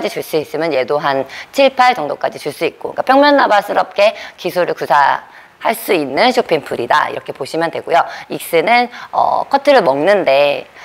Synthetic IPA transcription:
d͡ʑit͡ɕuɭs͈uis͈ɯmjʌnje̞doɦant͡ɕʰiɭpʰaɭt͡ɕʌŋdok͈ad͡ʑit͡ɕuɭs͈uik̚k͈oikapʰjʌŋmjʌnːabasʰɯɾʌp̚k͈e̞kisʰuɾɯɭkusʰa | haɭs͈uinːɯnɕʰopʰiŋpʰɯɾida̰ḭɾʌkʰe̞poɕʰimjʌndwe̞ɡojoik̚s͈ɯnɯnʌ̰kʰʌtʰɯɾɯɭmʌŋnɯnde̞

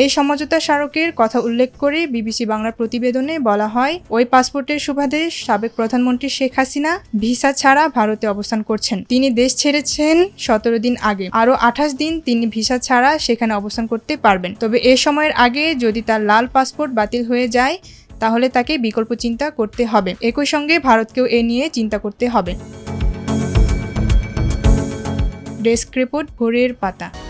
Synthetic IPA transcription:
ejʃɔmod͡ʑot̪aʃaɾokeɾkɔt̪ʰaulːekʰkoɾebibisibaŋlaɾpɾot̪ibed̪onebɔlaɦɔeojpaspoɾʈeɾʃubʱad̪eʃabek̚pɾod̪ʱanmont̪ɾiʃekʰːasinabʱiʃat͡ɕʰaɾabʱaɾot̪eɔbost̪ʰankoɾt͡ɕʰent̪inid̪eʃt͡ɕʰeɾet͡ɕʰenʃɔt̪oɾod̪inaɡeaɾoʔaʈʰaʃ̬d̪int̪inibʱiʃat͡ɕʰaɾaʃekʰaneɔbost̪ʰankoɾt̪epaɾbent̪ɔbeʔeʃɔmɔeɾʔaɡed͡ʑod̪it̪aɾlalpaspoɾʈ̚bat̪ilɦoed͡ʑae | t̪aɦolet̪akebikolpot͡ɕint̪akoɾt̪eɦɔbeekojʃɔŋɡebʱaɾot̪̚keoʔenijet͡ɕint̪akoɾt̪eɦɔbe | ɖeskɾepoɾʈ̚bʱoɾeɾpat̪a

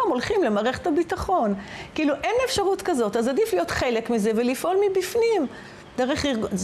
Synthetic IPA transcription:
amo̞lχimlemaːʁeχetabitaχo̞nkiiluʔe̞nefʃaʁutkazo̞tazadiflijo̞t̪χe̞le̞kmize̞ve̞lifʔo̞lmibifnim | deʁeχliʁɡ

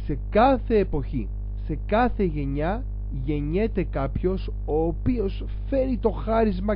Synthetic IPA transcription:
se̞kɐθe̞ːpo̞çḭ | se̞kɐθe̞ʝe̞ɲɐ | ʝe̞ɲe̞t̪e̞kɐpço̞s | o̞ːpio̞s | fe̞ɾit̪o̞xɐɾizmɐ

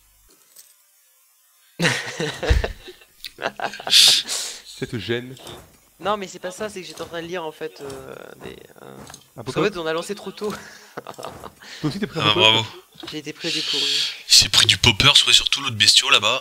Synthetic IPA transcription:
sɛt̪əʒɛn | nɔ̃mɛsɛpasasɛkəʒet̪eɑ̃t̪χɛ̃d̪əliʁɑ̃fɛt̪ød̪ḛ | apskɑ̃fɛt̪ɔ̃nalɑ̃set̪χot̪o | os̬it̪yepχĩãbʁavo | ʒeet̪epχid̪epuʁisɛpχid̪ypɔpœʁswasyʁt̪ulot̪χbɛst̪jɔ̃laba

